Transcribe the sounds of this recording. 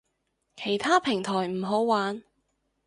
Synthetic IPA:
kʰe˨˩jt̪ʰaː˥pʰɪ˨˩ŋt̪ʰɔː˨˩jm̩˨˩ɦo˨˥wwaː˨˥n

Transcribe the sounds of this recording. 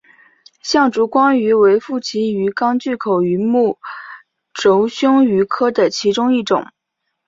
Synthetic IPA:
ɕjɑ˥˩ŋʈ͡ʂu˧˥kwɑ˥ŋy˧˥we˧˥ɪfu˥˩t͡ɕʰi˧˥y˧˥kɑ˥ŋt͡ɕy˥˩kʰo˨˩ʊy˧˥mu˥˩ | ʈ͡ʂo˧˥ʊɕjʊ˥ŋy˧˥kʰɤ˥d̪ə˨t͡ɕʰi˧˥ʈ͡ʂʊ˥ŋi˥˩ʈ͡ʂʊ̰˨˩˦ŋ

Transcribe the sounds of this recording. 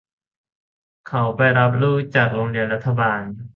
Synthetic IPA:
kʰa˨˩wpa˧jɾa˦˥p̬̚ɾuː˦˥˩t͡ɕa˨˩k̚loː˧ŋɾi˧ənɾa˦˥t̪ʰːa˧baː˧n

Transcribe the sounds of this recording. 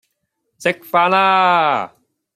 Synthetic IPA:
sɪ˧k̚faː˧nlaː˥

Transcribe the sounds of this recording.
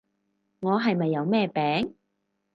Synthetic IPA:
ŋɔː˨˧ɦɐ˨jmɐ˨jːɐ˨˧wmɛː˥˧pɛː˨˥ŋ

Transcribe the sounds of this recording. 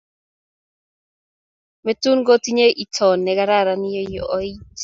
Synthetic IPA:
me˨tu˦nɡo˦ti˦ɲe˦ʔi˨tʰɔ˨nːɛ˨ɡa˦ɾa˦˨ɾa˨nɪ˦jɔ˦jɔ̰˨ʔɔ˦i˦t

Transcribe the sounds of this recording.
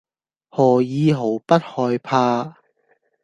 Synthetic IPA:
hɔː˨˩jiː˧ɦo˨˥wpɐ˥t̚hɔː˧jpʰaː˧

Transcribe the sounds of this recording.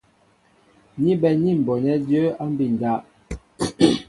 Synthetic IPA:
ɲi˦bɛ˨ɲi˦˨m̩˨bɔ˨ɲɛ˦də˦a˦m˦bi˦˨n˨da˦ʔ

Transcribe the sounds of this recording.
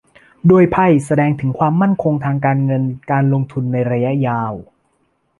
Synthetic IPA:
doː˧əjpʰa˧˥˩jsa˧dɛː˧ŋt̪ʰɯ˩˦ŋkʰwaː˧mːa˥˩nkʰo˧ŋt̪ʰaː˧ŋk̬aː˧nŋɤ˧nkaː˧nlo˧ŋt̪ʰu˧nːa˧jɾa˧ja˦˥jaː˧w

